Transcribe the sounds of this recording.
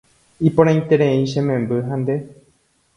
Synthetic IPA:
ipõɾ̃ãj̃t̪eɾẽĩʃẽmẽmbɨɦãnd̪e

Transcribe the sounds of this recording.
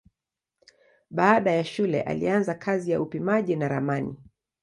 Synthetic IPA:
ɓaːɗajaʃulɛ̰ʔa̰lḭanzakʰazijaupimaʄinaɾamanḭ

